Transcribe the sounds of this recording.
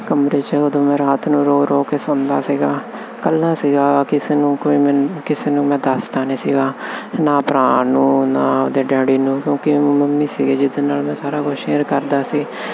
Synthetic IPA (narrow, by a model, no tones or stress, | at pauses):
kəmɾeːt͡ʃəod̪õːmɛ̃ːɾaːt̪nũːɾoːɾoːkeːsõːnd̪aːsiːɡaː | kəlːaːsiːɡaːkɪseːnũːkoːiːmɛ̃kɪseːnũːmɛ̃ːd̪əst̪aːneːsiːɡaːnaːpɾãːnũːnaːod̪eːɖɛːɽiːnũːkjõːkiməmːiːsiːɡeːd͡ʒɪd̪eːnaːlmɛ̃ːsaːɾaːɡoʃeːɾkəɾd̪aːsiː